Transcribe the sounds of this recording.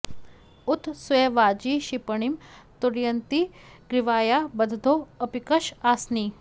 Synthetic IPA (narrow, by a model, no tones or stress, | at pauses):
ʊt̪sʋeʋaːd͡ʒiːʃipəɳ̃imt̪uɾjɐnt̪i | ɡɾɪʋaːjabɐd̪ʱd̪ʱoːɐpikɐʃaːsniː